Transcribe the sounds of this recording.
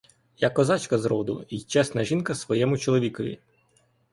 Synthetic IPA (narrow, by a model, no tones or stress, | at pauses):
jakːɔzɑt͡ʃkɐzɾɔd̪ʊ̰it͡ʃɛsnɐʒinkɐsʋɔjɛmʊt͡ʃɔlˠɔʋʲikɔʋʲḭ